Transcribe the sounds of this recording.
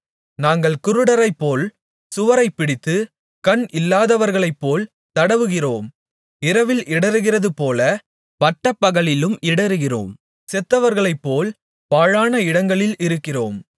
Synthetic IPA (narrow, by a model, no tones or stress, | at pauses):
naːŋɡɐɭkʊɾɯɽɐɾɐɪpːoːl | sʊʋɐɾɐɪpːɪɽɪt̪ːɯ | kɐnʔɪlːaːðɐʋɐɾɣɐɭɐɪpːoːl | t̪ɐɽɐʋɯɣɪroːm | ɪɾɐʋɪlʔɪɽɐɾɯɣɪrɐðɯpoːlɐ | bɐʈːɐpːɐɣɐɭɪlɯmɪɽɐɾɯɣɪro̰ːm | sɛt̪ːɐʋɐɾɣɐɭɐɪpːoːl | paːɻaːnɐɪɽɐŋɡɐɭɪlɪɾɯkːɪroːm